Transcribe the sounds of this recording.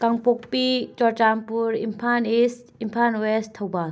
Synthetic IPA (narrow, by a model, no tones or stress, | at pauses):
kaŋpok̚pit͡ʃɔɾt͡ʃampuɾimpʰanes | impʰanwest̪ʰɐwba